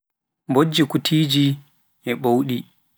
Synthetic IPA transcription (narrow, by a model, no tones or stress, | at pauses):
mbod͡ʒːikutʰiːd͡ʒi | ʔɛɓowɗi